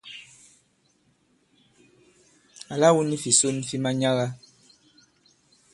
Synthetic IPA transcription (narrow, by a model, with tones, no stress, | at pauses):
a˨la˦wu˦ni˦fi˨so˦ni˦fi˦ma˦ɲa˦ɣa˦